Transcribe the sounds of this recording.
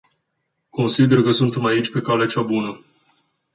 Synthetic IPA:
ko̞nsid̪e̞rkəsunt̪e̞mait͡ʃʲpe̞kalet͡ʃabunə

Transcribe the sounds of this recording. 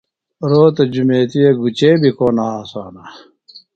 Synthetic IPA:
ɾoːt̪ɐd͡ʑumeːt̪ijeɡut͡ɕeːbikoːnaaːsaːna

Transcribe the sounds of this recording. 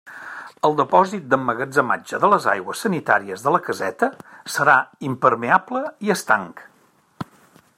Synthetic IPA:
əlˠd̪əpɔzit̪̚d̪əmːəɣəd͡zəma̰d͡ʒəðələza̰jɣwəsːənit̪a̰ɾiəzðələkəzɛt̪əsəɾaimpəɾmeabləiəst̪aŋk

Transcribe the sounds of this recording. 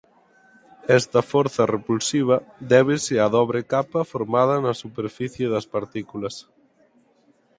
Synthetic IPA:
ɛst̪ɐfɔɾθɐrepulsiβ̞ɐðɛβ̞ɪsɪɐðɔβ̞ɾekapɐfoɾmað̞ɐnɐsupeɾfiθjeðɐspaɾt̪ikulɐs

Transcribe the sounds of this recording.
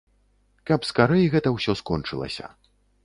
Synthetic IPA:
kɐpskaɾɛjɣɛt̪ɐwsʲɔskɔnt͡ʂɨlˠɐ̰sʲɐ̰

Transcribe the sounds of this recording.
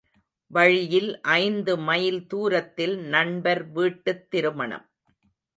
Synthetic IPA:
ʋɐɻɪjɪlʔɐɪnd̪ɯmɐjɪlt̪uːɾɐt̪ːɪlnɐɳbɐɾʋiːʈːɯt̪ːɪɾɯmɐɳɐ̰m

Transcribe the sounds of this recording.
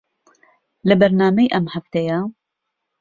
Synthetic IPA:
lɐbɐɾnaːmɛjʔɐmhaft̪ɛja

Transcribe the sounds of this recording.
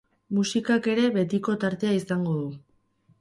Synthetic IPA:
musikake̞ɾe̞βe̞t̪iko̞t̪aɾt̪e̞aisaŋɡo̞ðu

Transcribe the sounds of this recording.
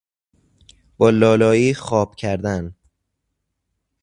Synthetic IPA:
b̥ɒːlɒːlɒːjiːxɒːb̥cʰæɾd̪æn

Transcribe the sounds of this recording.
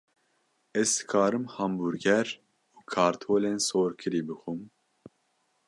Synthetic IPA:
ɛzd̪ɨkʰɑːɾɨmhɑmbuɾɡɛɾ | uːkʰɑːɾt̪ʰoːleːnsoːɾkʰɨɾiːbɨxum

